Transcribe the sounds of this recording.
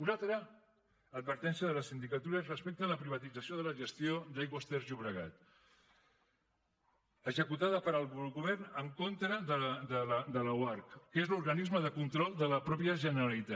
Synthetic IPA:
unalˠt̪ɾə | əd̪̚βəɾt̪ɛnsiəðələsind̪ikət̪uɾərəspek̚t̪ələpɾiβ̞ət̪id͡zəsijoð̞ələʒəst̪jod̪ajɣwəst̪eɾzʎuβɾəɣa̰t̪ | əzəkut̪aðəpəɾəlˠɣlɣuβ̞ɛɾnəŋkont̪ɾəðəðəld̪ələwaɾkːezluɾɣənizməðəkunt̪ɾɔlˠd̪ələpɾɔpiəʒənəɾalit̪a

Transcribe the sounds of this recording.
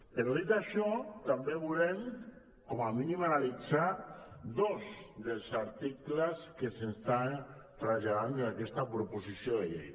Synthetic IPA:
peɾoðit̪aʃɔt̪ambeβulem | kɔmaminimanalit͡sad̪ozd̪elˠzaɾt̪iklaskesenst̪ant̪ɾaʎaðand̪enakɛst̪apɾoposisioðeʎḛj

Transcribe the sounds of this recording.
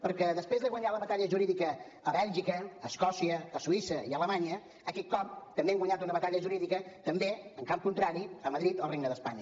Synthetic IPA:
pəɾkɛðəspɾezðəɣwəɲaləβət̪aʎəʒuɾiðikəː | βɛlˠʒikəːskɔsiəːsuisəiələmaɲə | əkɛt̪̚kɔp̚t̪əmbeŋɡwəɲat̪unəβət̪aʎəʒuɾiðikət̪əmbeəŋkamp̚kunt̪ɾaɾiəməðɾit̪olˠreɡnəðəspaɲə

